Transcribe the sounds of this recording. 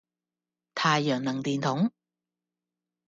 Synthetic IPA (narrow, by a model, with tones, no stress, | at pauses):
t̪ʰaː˨˧jːœː˨˩ŋnɐ˨˩ŋt̪iː˨nt̪ʰʊ˨˥ŋ